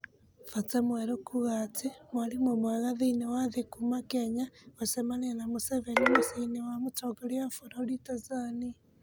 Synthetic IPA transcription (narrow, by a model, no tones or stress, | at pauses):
fat͡semweɾokʰuɣat͡semwalimomwaɣaðinewaðekumakeɲaosemanenamuseβenomusainewamutoɡaljafuɾaɾitazani